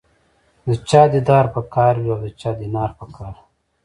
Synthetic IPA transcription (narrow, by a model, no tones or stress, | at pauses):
d̪ət͡ʃɑːd̪id̪ɑɾpəkɑːɾwiawd̪ət͡ʃɑːd̪inɑːɾpəkʰɑːɾ